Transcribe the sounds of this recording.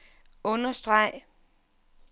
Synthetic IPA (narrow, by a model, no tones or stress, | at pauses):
ɔ̽nɐsd̥ʁɑ̈ɪ̰